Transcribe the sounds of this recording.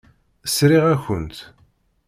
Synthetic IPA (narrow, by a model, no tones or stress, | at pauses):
əsɾiʁæçənt̪